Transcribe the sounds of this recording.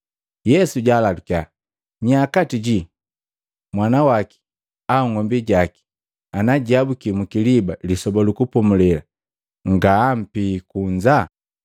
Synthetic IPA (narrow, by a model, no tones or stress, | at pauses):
jɛsuɟaːlalukia | ɲakatiɟi | mwanawaki̥ | auŋɔmbiɟaki̥ | anaɟiabukimukilibalisɔbɔlukupɔmulɛla | ŋɡaːm̩pikuɲd͡ʒa